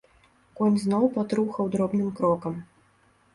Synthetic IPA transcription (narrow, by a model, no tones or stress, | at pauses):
kɔnʲznɔwpat̪ɾuxɐwd̪ɾɔbnɨmkɾɔkɐm